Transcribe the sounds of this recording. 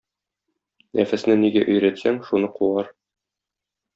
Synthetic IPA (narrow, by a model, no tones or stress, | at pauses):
nʔæfæsnɘniɡæʔɵ̆jɾæt̪sæŋʃunɤquɑɾ